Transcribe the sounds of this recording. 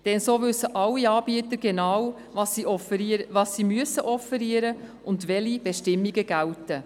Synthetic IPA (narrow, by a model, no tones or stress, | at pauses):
d̥ɛnsoːʋɵsːəʔɑlːiɑːbiət̪əɾɡ̥enɑw | ɑsiɔfʋɑːsːimyəsəʔɔfɛɾiəɾə | ʊndʋɛlib̥ɛʃtɪmːiɡəɡ̥æltə